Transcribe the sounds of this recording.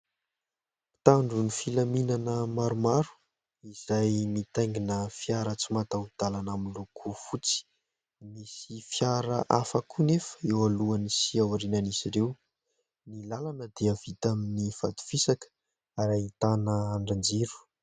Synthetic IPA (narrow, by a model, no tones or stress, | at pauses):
t̪aɳɖ͡ʐunifilaminanəmaɾumaɾu̥ | iz̥ajmit̪ajŋɡinəfjaɾət͡simat̪aud̪̥alanamilokʰufut͡si̥ | misifjaɾəʔafakunefə̥ewaluanisiawaɾinanisiɾew | nilalanəd̪eav̥it̪aminifat̪u̥fisakə̥ | aɾait̪anəaɳɖ͡ʐand͡ziɾu̥